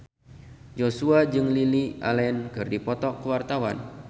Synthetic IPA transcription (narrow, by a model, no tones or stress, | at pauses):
d͡ʒosuad͡ʒɨŋliliʔa̰lɛnkɨrdipɔt̪ɔkːəwart̪awan